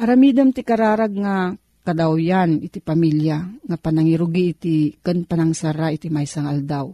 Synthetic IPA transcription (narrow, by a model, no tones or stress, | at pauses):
ʔɐɾamid̪amt̪ikaɾaːɾaɡ̚ŋa | kad̪awjanɪt̪ipamiljaŋapanaŋiɾuɡiʔt̪ikənpanaŋsaɾaʔit̪imajsaŋald̪aw